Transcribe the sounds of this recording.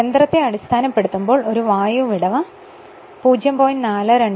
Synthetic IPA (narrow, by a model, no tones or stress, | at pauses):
end̪rɐt̪ːeɐɽist̪ʰaːnɐpːe̞ɽut̪ːumbo̞ːɭo̞ɾuʋaːjuʋiɽɐʋɐ | puːd͡ʑjɐmpo̞ːjinaːlɐɾeɳ